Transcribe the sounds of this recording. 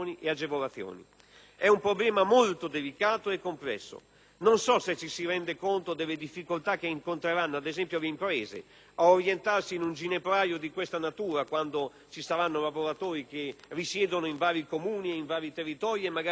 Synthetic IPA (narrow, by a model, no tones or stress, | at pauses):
niʔead͡ʒevolat̪θːjo̰ːnḭ | ɛumpɾoblɛːmamolt̪od̪elikaːt̪oekːomplɛ̰sːo̰ | nonsɔset͡ʃːisiɾɛnd̪ekont̪od̪elːed̪ifːikolt̪ak̟ːeiŋkont̪ɾeɾanːoad̪ezɛmpjoleimpɾɛːzḛ | aoɾjent̪arsiːnund͡ʒinepɾaːjod̪ikwest̪anat̪uːɾakwand̪o | t͡ʃisaɾanːolavoɾat̪oːɾik̟erisjɛːd̪onoiɱvaːɾikomuːnieiɱvaːɾit̪erːit̪ɔːɾjemːaɡa